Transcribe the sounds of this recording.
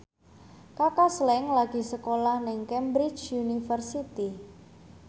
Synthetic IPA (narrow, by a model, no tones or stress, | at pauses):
kakaslɛŋlaɡ̥i̤səkolahnɪŋkɛmbɾi̥t͡ʃunifərsit̪i